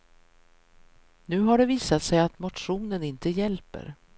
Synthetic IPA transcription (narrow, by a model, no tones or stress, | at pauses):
nʉ̟ːɦaɖɛviːsat̪sɛjat̪mʊtɧuːnənɪnt̪əjɛlpə̰ɾ